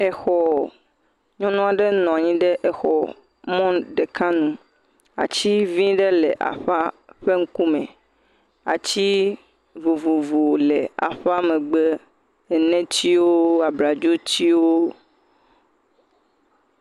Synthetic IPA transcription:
ɛ˨xɔ˨ | ɲɔ̃˦nɔ̃˦a˨ɖe˦nɔ̃˨a˨ɲĩ˦ɖe˦ʔɛ˨xɔ̰˨ | mɔ̃˦ɖe˨kã˦nũ˦ | a̰˨t͡ɕi˦vĩ˦ɖe˦le˨ʔa̰˨ɸa˦ɸe˦ŋ̩˦ku˦mɛ̰̃˨ | a̰˨t͡ɕi˦ | vo˨vo˨vo˨lɛ˨a̰˨ɸa˦mɛ̃˨ɡ͡be˦ | ɛ˨nɛ̃˦t͡ɕi˦wo˦a˨bɾa˨d͡ʒo˦t͡ɕi˦wo˦

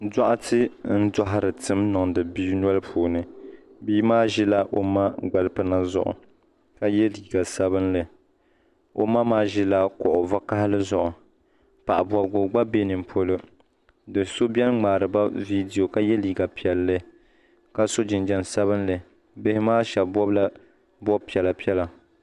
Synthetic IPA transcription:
da˦ʔa˦tɨ˦n̩˦da˦ɦɪ˨ɾɨ˨tɨ˦mnʊ˨ŋdɨ˨bi˦n˦ɔ˦lɨ˦pʰuː˨nɨ˨ | biː˦maː˦ʒɪ˦la˦ʔo˨ma˦ɡ͡ba˨lɨ˦pɨ˦na˦zʊ̰˨ʔʊ̰˨ | ka˦jɛ˦liː˨ɡa˨sa˦βɨ˦nlɨ˨ | o̰˨ma˦maː˦ʒɪ˦la˦kɔ˨ʔʊ˨va˦ka˦hɪ˦lɨ˦zʊ˨ʔʊ˨ | pa˨ʔa˨bɔ˨bɡo˨ɡ͡ba˦be˦nɨ˨m˨pʰo˦lɨ˦ | dɨ˨so˦bjɛ˦nŋ͡maː˨ɾɨ˨ba˦vi˦di˨jo˨ka˦jɛ˦liː˨ɡa˨pi˨ɛ˨lːɨ˦ | ka˦so˦d͡ʒɪ˨nd͡ʒɛ˨nsa˦βɨ˦nlɨ˨ | bɪ˦hɪ˦maː˦ʃɛ˨lbɔ˦bla˦ | bɔ˦bpi˨ɛ˨la˨pi˦ɛ˦la˨

